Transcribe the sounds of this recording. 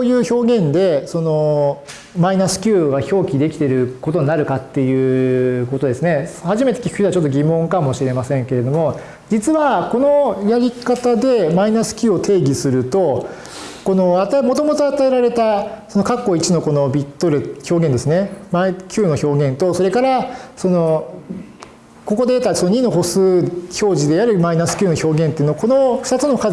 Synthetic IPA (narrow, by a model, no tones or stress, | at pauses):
ojɯ̟ːço̞ːɡẽ̞nd̪e̞so̞no̞ | mainasɨ̥kʲɨːɡaço̞ːkʲid̪e̞kʲi̥t̪e̞ɾɯ̟ko̞t̪o̞ɲinaɾɯ̟kat̪ːe̞jɯ̟ːko̞t̪o̞d̪e̞sɨne̞haʑime̞t̪ekʲi̥kʰɯ̥çit̪eat͡ɕot̪ːo̞ɡʲimõ̞ŋkamo̞ɕiɾe̞masẽ̞ŋke̞ɾe̞d̪o̞mo̞ | d͡ʑit͡sɨβako̞no̞jaɾʲikat̪ad̪e̞mainasɨ̥kʲɨːot̪ʰe̞ːɡʲisɨɾɯ̟t̪o̞ | ko̞noat̪amo̞t̪o̞mo̞t̪o̞at̪ae̞ɾaɾe̞t̪aso̞no̞kakːo̞it͡ɕino̞ko̞no̞bʲit̪ːoɾɯço̞ːɡend̪e̞sɨne̞maikʲɨːno̞ço̞ːɡẽ̞nt̪oso̞ɾe̞kaɾaso̞no̞ | ko̞ko̞d̪e̞t̪aisonoɲ̟ino̞ɦo̞sɨːço̞ːʑid̪e̞aɾɯ̟mainasɨ̥kʲɨːno̞ço̞ːɡẽnt̪eiɯ̟noako̞no̞ɸɯ̥t̪at͡sɨno̞ka